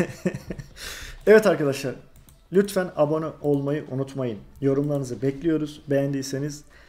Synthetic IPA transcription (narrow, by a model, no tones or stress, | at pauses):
ɛvɛt̪aɾkad̪aʃlˠaɾ | lʲyt̪fænabo̞nuʔo̞lˠmajɯʔunut̪majɯnjo̞ɾumlˠaɾɯnɯzɯbɛclʲijo̞ɾuzbejænd̪iːse̞niz̥